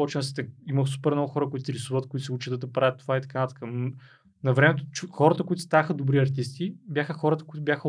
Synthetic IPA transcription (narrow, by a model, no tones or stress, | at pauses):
ɔt͡ʃnəsit̪ɛiməxsu̥pɛɾnɔɡʊxɔɾəkʊit̪ʲɾɛsuvət̪̚kʊit̪ʊsɛut͡ʃit̪ət̪d̪ɐpɾavʲjɐt̪ːovait̪ɐ̥kanət̪ḁka | nɐvɾɛmɛt̪o̥t͡ʃxɔɾət̪əkʊit̪ʊ̥st̪avəxəd̪obɾiɐɾt̪ist̪ibʲjaxəxɔɾət̪ə̥kʊit̪̬ʊbjaxə